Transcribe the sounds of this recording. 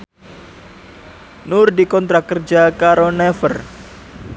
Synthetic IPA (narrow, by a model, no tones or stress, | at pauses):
nʊrdikɔnt̪ɾakərd͡ʒakaɾonɛfər